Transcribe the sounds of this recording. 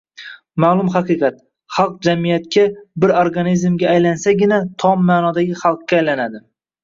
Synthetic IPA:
maːlˠʊmχɑqɨqʰɑt̪ | χɑlˠq̚d͡ʒamijat̪kʲabɪɾoɾɡanizmɡʲaːjlansaɡʲɪnat̪ʰɒmːaːnɒd̪aɡʲɪχɑlˠq̚kʲːaːjlanad̪ɪ

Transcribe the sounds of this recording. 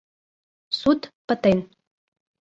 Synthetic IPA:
sut̪pət̪en

